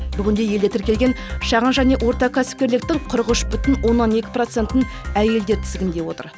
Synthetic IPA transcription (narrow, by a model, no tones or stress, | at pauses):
bʏɡʲɪnd̪e̞je̞ld̪e̞t̪ʰɪɾkʲe̞lɡʲe̞nʃɑʁənʒæne̞ʔwo̞ɾt̪ɑkʰæsɪ̥p̚kʲe̞ɾlɪk̚t̪ɪŋqʰʊɾʁəʃbʏt̪ɪnwo̞nːɑne̞kʲɪ̥pro̞t̪se̞nt̪ɪn | æje̞ld̪e̞ɾt̪ʰɪ̥zɪɡʲɪnd̪e̞wo̞t̪ə̰ɾ